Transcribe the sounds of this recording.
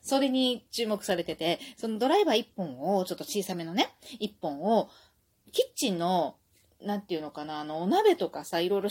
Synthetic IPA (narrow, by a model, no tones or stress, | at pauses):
so̞ɾe̞ɲ̟it͡ɕɨːmo̞kɯ̟saɾe̞t̪e̞t̪e̞so̞no̞d̪o̞ɾaibaipːõ̞ɰ̃o̞t͡ɕo̞t̪ːot͡ɕiːsameno̞neipːõ̞ɰ̃o | kʲit͡ɕĩnːo̞ | nãnt̪eiɯ̟no̞kanaːno̞ːnabe̞t̪o̞kasaiɾo̞iɾo